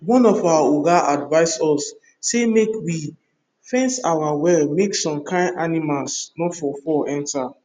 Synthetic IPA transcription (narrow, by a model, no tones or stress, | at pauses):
wɔ̃nɔfawaoɡaʔadvaɪsɔsː | emekwi | fɛ̃nsawawɛlmeksɔ̃mkʰãɪ̃ndanimalsnɔtfɔfɔʔɛ̃nta